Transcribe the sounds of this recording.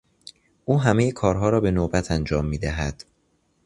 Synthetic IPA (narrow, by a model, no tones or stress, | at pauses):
ʔuːɦæmejekʰɒːɾɦɒːɾɒːbe̞noːbæt̪ʰænd͡ʒɒːmːiːd̪æɦæd̪̥